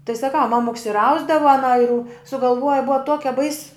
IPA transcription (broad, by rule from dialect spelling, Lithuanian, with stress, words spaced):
tɐɪ sɐˈkɐʊ ˈmɑːmʊks ɪr ˈɐʊzdɐʋɐ ɐˈnɐ ɪr ʊ sʊɡɐlˠˈʋuɔjɛ ˈbʊɐ ˈtuɔkʲɛ bɐɪs